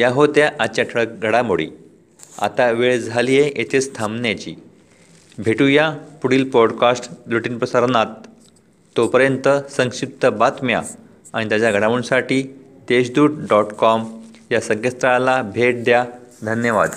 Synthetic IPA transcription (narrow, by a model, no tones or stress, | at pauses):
jaɦot̪jaʔat͡ɕaʈʰəɭək̚ɡʱəɽamoɽḭː | a̰t̪aʋeɭd͡zʱalijeet̪ʰest̪ʰamnjat͡ɕḭː | bʱeʈujapuɽiːlpɔɽkasʈluʈiːnpɾəsaɾnat̪ː | opəɾjənt̪əsə̃ŋɕip̚t̪əbat̪mja̰ | aɽ̃it̪jat͡ɕaɡʱəɽaməɽũnsaʈiː | d̪eɕd̪uːʈ̚ɖɔʈkɔm | jasəkest̪ɾalabʱeʈ̚d̪jad̪ʱənjəʋa̰d̪